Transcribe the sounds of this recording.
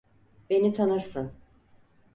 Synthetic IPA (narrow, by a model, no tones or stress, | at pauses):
be̞nit̪ʰanɯɾsɯn